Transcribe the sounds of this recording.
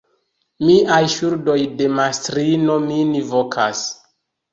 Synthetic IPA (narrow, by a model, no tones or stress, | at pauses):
miʔajʃuɾdo̞jde̞mastɾino̞minivokʰas